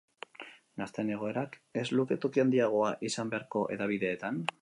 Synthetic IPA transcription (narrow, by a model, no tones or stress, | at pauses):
nast̪ene̞ɣ̞o̞e̞ɾake̞zluke̞t̪okiand̪iaɣ̞o̞aʔisambe̞aɾko̞ʔe̞̰ðaβ̞iðe̞ːt̪an